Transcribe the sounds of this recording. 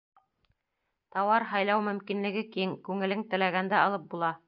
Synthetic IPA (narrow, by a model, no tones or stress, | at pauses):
t̪ɑwɑɾɦɑjlˠɑwmɵ̆mkinlɘ̆ɡɘkiŋkʉŋɘ̆lɘŋt̪ɘ̆læɡænd̪æɑlˠɤp̚bulˠɑ